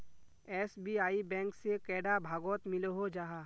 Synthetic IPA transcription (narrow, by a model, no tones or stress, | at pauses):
ɛːsbiaːibɛ̃ːŋksekɛːɖabʱaːɡɔːt̪mɪlɦod͡ʒaːɦaː